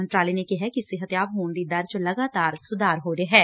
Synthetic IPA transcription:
ɐ̃nʈɾaːlinekiɦɛkiseɦɐt̪jaːbɦõːnd̪id̪ɐɾd͡ʒlɐɡaːt̪aːɾsʊd̪aːɾɦoːɾeɦɛː

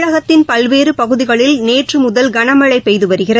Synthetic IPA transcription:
ɻɐɣɐt̪ːɪnpɐlʋeːrɯpɐɣɯðɪɣɐɭɪlneːʈrɯmʊðɐlɡɐnɐmɐɭɐɪpːɛjðɯʋɐɾɯɣɪrɐ

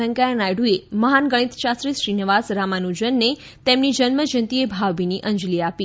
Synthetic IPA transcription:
ə̃ŋkajənajɽueməɦanɡəɽ̃it̪ʃasɾisʃɾinəʋasɾamanũd͡ʒənːe | t̪emnid͡ʒənməd͡ʒənt̪iebʱaʋbiniʔə̃ɲd͡ʒliapi

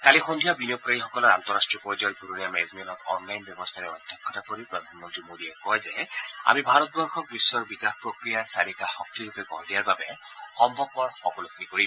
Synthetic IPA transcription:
t̪alixɔnd̪ʱijabinok̚kaɹixɔkɔlɔɹa̰nt̪ɔɹastɹiɔpɔzjɔɹpuɹonijamɛzmiɔnɔtɔnlajnbjɔbɔst̪ʰaɹɛɔ̰d̪ʱjɔkʰːɔtakoɹipɹɔd̪ʱanmɔnt̪ɹimodiɛkɔjzɛa̰mibʱaɹɔt̪̚bɔɹxʰɔk̚bisːɔɹbiɡaxpɹɔkɹijaɹsaɾikaxɔk̚tiɾupɛkɔɦdijaɹbabɛxɔmbʱɔb̚kɔɹxɔkɔlukʰnikoɹi

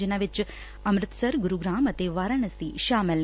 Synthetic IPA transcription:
ənaʋɪt͡ʃ | ɐmɾɪt̪səɾɡʊɾuɡɾaːmɐt̪eʋaːɾəɳ̃əst̪iʃaːməl

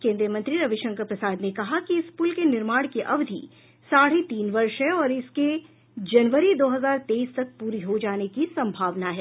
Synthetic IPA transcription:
kẽːnd̪ɾjəmɐ̃nt̪ɾiɾɐʋɪʃə̃ŋkəpɾɐsaːd̪nekɐɦakiɪspulkenɪɾmaːɽ̃keʔɐʋd̪ʱḭ | saːɽ̤et̪iːnʋɐɾʃɦɛɔːɾɪske | d͡ʒɐnʋəɾid̪oːɦɐzaːɾt̪eiːst̪ɐk̚puːɾiɦod͡ʒaːnekisɐ̃mbʱaːʋnaɦɛː

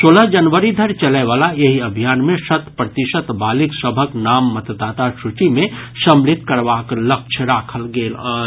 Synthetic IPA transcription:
soːləd͡ʒənʋəɾid̪ʱəɾt͡ʃəleʋaːlajeɦiɐbʱijaːnmẽsət̪pɾət̪ɪʃət̪baːlɪksəbʱəknaːmːət̪d̪aːt̪aʃut͡ʃimẽsə̃mlɪt̪kəɾʋakləkt͡ʃʰəɾaːkʰəlɡeːlː

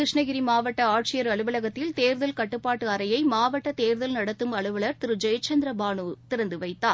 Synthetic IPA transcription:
ɪʂɳɐɣɪɾimaːʋɐʈːɐaːʈ̚t͡ʃɪjɐɾɐɭɯʋɐlɐɣɐt̪ːɪlt̪eːɾðɐlkɐʈːɯpːaːʈːɯɐɾɐjɐɪmaːʋɐʈːɐt̪eːɾðɐlnɐɽɐt̪ːɯmɐɭɯʋɐɭɐɾt̪ɪɾɯd͡ʒɐjɐt͡ʃɐnd̪ɾɐbaːɳuːt̪ɪɾɐnd̪ɯʋɐɪt̪ːaː

